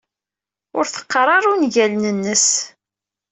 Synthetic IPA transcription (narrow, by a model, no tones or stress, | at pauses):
ʊɾθə̥qːɾˤɑɾˤunʝælənənːəs